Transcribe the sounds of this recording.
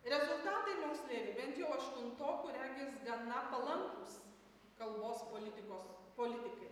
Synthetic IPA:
ɾʲɛzʊlˠt̪ɑːt̪ɐɪmoːkst̪ʲlʲeːɾʲɪbʲɛnt̪jɛʊɐʃʲt̪ʲʊnt̪oːkʲuːɾʲæŋʲɡʲɛsɡɐnɐpɐlˠɐŋkuːs | kɐlˠboːspoːlʲɪt̪ʲɪkoːspoːlʲɪt̪ʲɪkɐɪ

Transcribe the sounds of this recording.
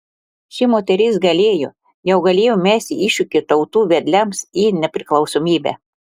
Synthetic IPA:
ʃʲɪmoːt̪ʲɛɾʲɪsɡɐlʲeːjʊ | jɛʊɡɐlʲeːjomʲæːsʲt̪ʲɪiːʃʲʊkʲɪt̪ɐʊt̪uːʋʲɛd̪ʲlʲɛmsiːnʲɛpʲɾʲɪklˠɒʊsoːmʲiːbʲæ̰ː

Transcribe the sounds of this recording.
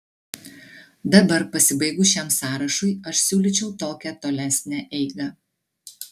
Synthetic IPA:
d̪ɐbɐɾpɐsʲɪbɐɪɡʊʃʲæmsɑːɾɐʃʊɪɐʃsʲuːlʲit͡ʃʲɛʊt̪oːkʲɛt̪oːlʲæsʲnʲæʔɛɪɡɐ

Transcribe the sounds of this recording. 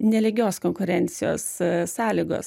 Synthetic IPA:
nʲɛlʲɪɡʲoːskoːŋkʊɾʲɛnʲt̪sʲɪjo̰ːssɑːlʲiːɡo̰ːs

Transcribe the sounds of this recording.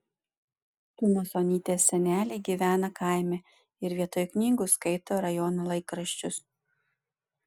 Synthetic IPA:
t̪ʊmoːsonʲiːt̪ʲeːsʲːɛnʲæːlʲɛɪɡʲiːʋʲæːnɐkɑˑɪmʲɛ | ɪɾʋʲiɛt̪oːjknʲiːɡʊskɐɪt̪oːɾɐjɔːnɐlˠɐɪkɾɐʃʲt͡ʃʲʊs

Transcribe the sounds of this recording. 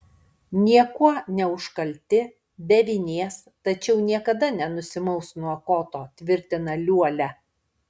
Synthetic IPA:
nʲiɛkuɔnʲɛʊʃkɐlʲt̪ʲɪ | bʲɛʋʲɪnʲeːs | t̪ɐt͡ʃʲɛʊnʲiɛkɐd̪ɐnʲɛnʊsʲɪmɐʊsnuɔkoːt̪oːt̪ʲʋʲɪɾʲt̪ʲɪnɐlʲuɔlʲæ

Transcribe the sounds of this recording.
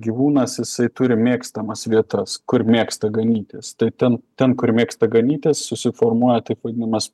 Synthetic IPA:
ɡʲiʋuːnɐsjɪsɐɪt̪ʊɾʲɪmʲeːkst̪ɐmɐsʋʲiɛt̪ɐskʊɾmʲeːkst̪ɐɡɐnʲiːt̪ʲeːst̪ɐɪt̪ʲɛnt̪ʲɛnkʊɾmʲeːkst̪ɐɡɐnʲiːt̪ʲeːssʊsʲɪfoːrmuɔjɛt̪ɐɪpʋɐd̪ʲɪnɐmɐs

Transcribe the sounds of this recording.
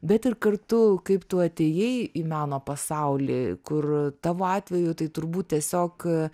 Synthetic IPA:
bʲɛt̪ɪrkɐrt̪ʊkɐɪpt̪uɐt̪ʲeːjɛɪimɑːnoːpɐsɐʊlʲḭːkʊrt̪ɑːʋoːɑːt̪ʲʋʲɛjʊt̪ɐɪt̪ʊɾbuːt̪̚t̪ʲiɛsʲoːk

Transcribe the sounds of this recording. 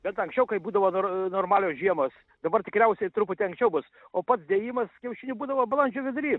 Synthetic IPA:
bʲɛt̪ɐŋksʲt͡ʃʲɛʊkɐɪbuːd̪ɐʋoːnonoːrmɑːlʲoːsʒʲiɛmoːs | d̪ɐbɐrt̪ʲɪ̥kɾʲɛʊsʲɛɪt̪ɾupʊt̪ʲɛɪɐŋksʲt͡ʃʲɛʊbʊs | oːpɐt̪sd̪ʲeːjiːmɐskʲɛʊʃʲɪnʲubuːd̪ɐʋoːblˠɐnʲd͡ʒʲoːʋʲɪd̪ʊɾʲiː

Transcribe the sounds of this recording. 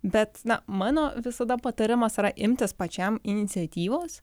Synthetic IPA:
bʲɛt̪nɐmɑːnoːʋʲɪsɐd̪ɐpɐt̪ɐɾʲɪmɐsɪɾɐʔɪmʲt̪ʲɪspɐt͡ʃʲɛmɪnʲɪt̪sʲɛt̪ʲiːʋoːs

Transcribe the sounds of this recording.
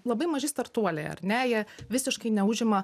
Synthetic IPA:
lˠɐbɐɪmɐʒʲɪst̪ɐɾt̪uɔlʲḛːɐ̰ɾʲnʲɛjiɛʋʲɪsʲɪʃkɐɪnʲɛʊʒʲɪmɐ

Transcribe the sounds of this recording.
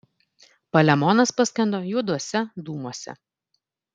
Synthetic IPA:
pɐlʲɛmɔnɐspɐsʲkʲɛnd̪oːjud̪uɔsʲɛd̪uːmuɔsʲɛ̰

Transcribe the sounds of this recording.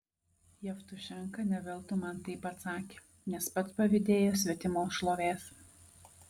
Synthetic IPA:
jɛft̪ʊʃʲɛŋkɐnʲɛʋʲɛlˠt̪ʊmɐnt̪ɐɪpɐt̪sɑːkʲe̥ː | nʲɛspɐt̪spɐʋʲɪd̪ʲeːjoːsʲʋʲɛt̪ʲɪmoːsʃlˠoːʋʲeːs

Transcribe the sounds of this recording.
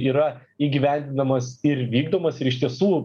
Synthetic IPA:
iːɾɐiːɡʲiʋʲænʲd̪ʲɪnɐmɐsɪɾʋʲiːɡd̪oːmɐsɪɾɪʃʲt̪ʲiɛsuː

